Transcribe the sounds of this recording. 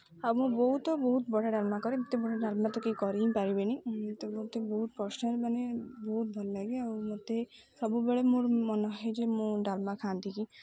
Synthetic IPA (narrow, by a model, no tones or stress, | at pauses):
awmũbɔɦut̪ɔbɔɦut̪bɔʈaɖalmakɔɾit̪ebɔɽaɖalmat̪ɔkekɔɾiĩpaɾibenit̪obot̪ebɔɦut̪pɾɔsnɔɾmanebɔɦut̪̚bʱɔlɔlaɡiawmot̪e | sɔbubeɭemuɾmɔnɔɦɦed͡ʒemũɖalmakʰant̪iki